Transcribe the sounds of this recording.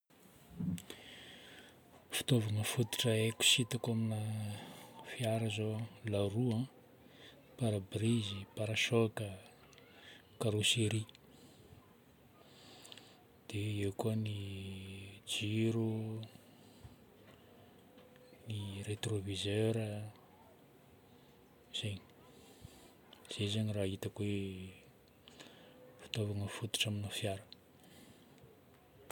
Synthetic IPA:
fi̥t̪ovaŋafut̪i̥ʈ͡ʂəeku̥sit̪akaminə | fiaɾəzolaruã | paɾabrizipaɾaʃokə | kaɾoseɾi | d̪̥eekuəni | d͡ʒiɾu | niret̪rovizøɾə | z̥eɲi̥ | z̥ezeɲirait̪əkwe | fi̥t̪ovaŋəfut̪u̥ʈ͡ʂaminafjaɾə

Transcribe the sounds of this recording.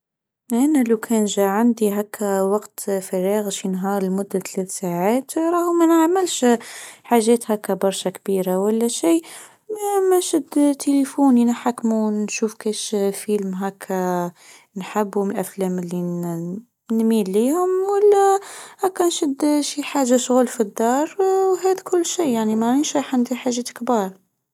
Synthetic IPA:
ʔænælawkʰɛnʒæʕand̪iɦækʰːæwɑqt̪fɑɾiːɣʃinɦɑːɾˤəlmʊd̪ːat̪lɛːθsaʕaːt̪ɾˤɑhmænaʕmɪlʃħaʒːɛːt̪hækːæbɑɾˤʃakbiːɾawælːæʃiː | æmænʃəd̪t̪ʰelifuninħakːmunʃuːfkiːʃfilmɦækʰːæ | nħabːʊməlʔæflæməlːi | nmilːihʊmwəlːæhækːænʃəd̪ʃiħaʒːaʃɣulfid̪ːɑɾˤwɦæd̪kʰʊlːʃijaʕnimainʃæħand̪iħaʒɛt̪kbɑɾˤ

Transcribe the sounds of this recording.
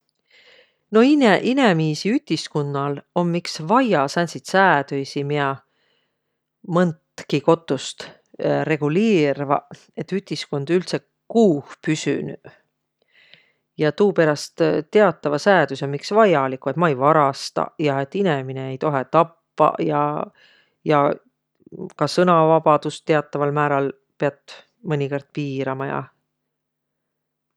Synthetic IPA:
no̞ineʔine̞miːsiyt̪ʲːiskunːɑlo̞nmiksvɑjɑsænʲsit̪sæːd̪̥øjsimiɑ | mɤnt̪kiko̞t̪ːˑust̪ | re̞ɡ̥uliːɾvɑ̰ | e̞t̪ːyt̪ʲˑiskond̪̥ylt̪se̞ | kuːhpysy̰ny | jɑt̪uːpe̞ɾɑst̪t̪ːe̞ɑt̪ːˑɑvɑsæːd̪usemiksvɑjɑlikːˑue̞t̪mɑejvɑɾɑst̪ɑ̰jɑe̞t̪ːˑine̞mine̞ːejt̪o̞ɦet̪ɑpːɑ̰jɑ̰ | jɑ | kɑsɤnɑvɑb̥ɑd̪̥ust̪ːe̞ɑt̪ˑːɑvɑlmæːɾɑl | peɑt̪ˑ | mɤnʲikord̪̥̚piːɾɑmɑjɑ̰

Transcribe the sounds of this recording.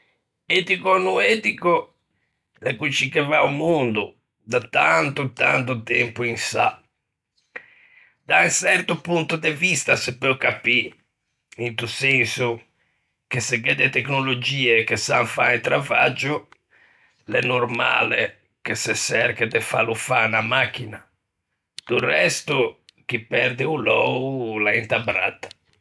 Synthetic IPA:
ɛt̪ikɔnuɛt̪iko | lɛkut͡ʃːikɛvaumund̪u | d̪at̪ant̪ut̪a̰nt̪ut̪ɛmpuinsa̰ | d̪̥ansɛrt̪upunt̪ud̪ɛvist̪asɛpːɛɔkapːi | int̪usɛnsu | kesɛɡɛd̪ɛt̪ɛknolod͡ʒiːɛkesaɱfaɛnt̪ɾavad͡ʒu | lɛnːɔrma̰lɛ | kesɛsɛrkɛd̪ɛfa̰lufanamak̟ːina | d̪̥urɛst̪uk̟ipɛɾd̪ɛulɔːulaɛnt̪abɾa̰t̪ḁ

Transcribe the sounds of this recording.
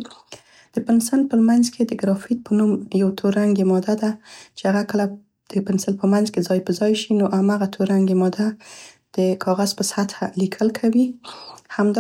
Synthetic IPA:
d̪̥əpɪnsəlpəmanzkʰed̪əɡɾɑfit̪̚pʰənuməjawt̪ʰoɾaŋɡemɑd̪ad̪at͡ʃeaɣakəla | d̪̥əpɪnsəlpəmanzkezɑjpəzɑjʃinoʔamaɣat̪ʰoɾaŋɡemɑd̪a | d̪̥əkʰɑɣaz̥pəsat̪alikʰəlkʰawihamd̪

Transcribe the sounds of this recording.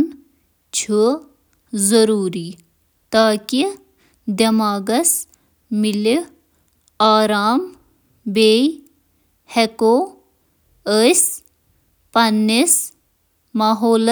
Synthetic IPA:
n | t͡ʃʰu | zɐɾuːɾiː | t̪aːki | d̪ɐmaːɡɐs | mili | aːɾaːm | beːj | hekoː | əs | pɐnːis | maːɦoːl

